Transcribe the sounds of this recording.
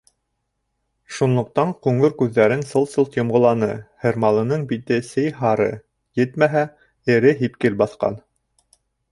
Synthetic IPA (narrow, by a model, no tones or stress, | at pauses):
ʃunlˠŏq̚t̪ɑɴqʉŋɤɾkʉðːæɾɘnsɤlˠt̪sɤlˠt̪jŏmʁŏlˠɑnɤhɘ̆ɾmɑlˠɤ̆nɤɴbit̪ɘsɘjɦɑɾɤ̰ | jɘt̪mæɦæ | ɘ̆ɾɘɦipkɘlbɑθqɑ̰n